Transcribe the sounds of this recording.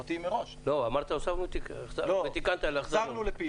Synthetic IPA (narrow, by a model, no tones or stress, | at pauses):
at̪imeʁoʃloamaʁt̪aosavmut̪ikzalovit̪ikant̪aleχzaʁnulepi